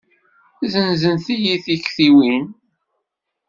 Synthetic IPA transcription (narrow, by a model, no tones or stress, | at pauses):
zənzənθijiθiçθiwin